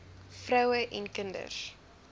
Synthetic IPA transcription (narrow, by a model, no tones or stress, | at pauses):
frœwəʔɛnkəndə̰s